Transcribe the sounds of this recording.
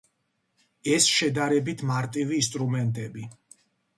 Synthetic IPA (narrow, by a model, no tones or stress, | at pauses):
ɛsʃɛd̪aɾɛbit̪ʰmaɾt̪ʼiviːst̪ʼɾumɛnt̪ʼɛbi